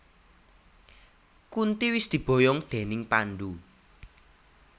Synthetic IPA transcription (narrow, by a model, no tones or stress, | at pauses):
kunt̪iwɪsd̪̥i̤b̥ɔ̤jɔŋd̪̥e̤nɪŋpanɖu